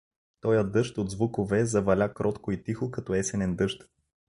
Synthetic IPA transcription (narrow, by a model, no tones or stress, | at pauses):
t̪ɔjəd̪ɤʃt̪od̪zvukovɛzɐvɐlʲakɾʔɔt̪koit̪ixokɐt̪ɔɛsɛnɛnd̪ɤʃt̪